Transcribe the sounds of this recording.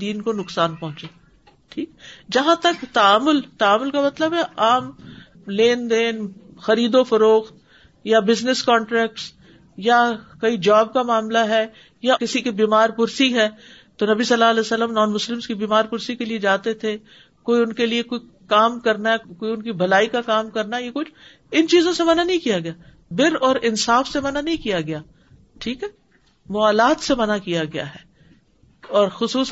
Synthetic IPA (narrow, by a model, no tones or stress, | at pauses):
d̪iːnkonʊksaːnpɐ̃ɦʊ̃t͡ʃeː | ʈʰiːkd͡ʒɐɦãt̪ɐkt̪ɐaːmʊlt̪ɐaːmʊlkamɐt̪ləbɦɛʔaːm | leːnd̪eːnxɐɾiːd̪ofɐɾoːxt̪̚ | jabɪznɪskɔ̃ːɳʈɾɛːk̚ʈs | jakɐid͡ʒaːb̚kamaːmlaɦɛ | jakɪsikibiːmaːɾpʊɾsiɦɛː | t̪onɐbisɐlːaɐlɛːsɐlːəmnɔːnmʊslɪmskibiːmaːɾpʊɾsikelied͡ʒaːt̪et̪ʰe | koːiʊnkeliekoːi | kaːmkɐɾnaɦkoːiʊnkibʱɐlaːikakaːmkɐɾnajekʊt͡ʃʰ | ɪnt͡ʃiːzõsemɐnanɐɦĩkijaɡɐjaː | bɪɾɔːɾɪnsaːfsemɐnanɐɦĩkijaɡɐjaː | ʈʰiːkɦɛː | mʊaːlaːt̪semɐnakijaɡɐja̰ɦɛː | ɔːɾxʊsuːs